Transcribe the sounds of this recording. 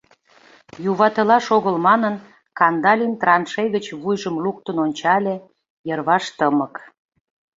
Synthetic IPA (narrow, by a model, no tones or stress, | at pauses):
juβɑt̪əlɑʃoɣəlmɑnən | kɑnd̪ɑlʲint̪rɑnʃejɣət͡ɕβujʒəmluk̚t̪ənonʲt͡ɕɑlʲe | jərβɑʃt̪əmək